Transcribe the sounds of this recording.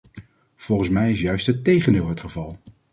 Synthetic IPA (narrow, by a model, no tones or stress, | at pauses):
v̥ɔlˠχən̩smɛjɪsjœɥstətejχəndɪːlˠɦətχəvɑlˠ